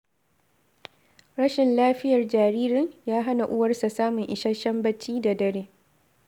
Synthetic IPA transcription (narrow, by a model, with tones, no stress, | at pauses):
ɽɐ˦ʃɪ˨nlaː˦ɸɪ˦jɐ˨rd͡ʒaː˨ɾiː˦ɾɪ˦ɲjaː˦ɦa˦na˨ʔʊ˦wɐ˦rsa˨saː˦mʊ˨ŋʔɪ˨ʃɐ˦ʃɐ˦mbɐ˦t͡ʃːiː˦da˨dɐ˦ɾeː˦